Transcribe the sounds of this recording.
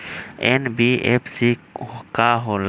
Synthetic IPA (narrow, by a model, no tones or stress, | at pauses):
enbiḛpsikaɦol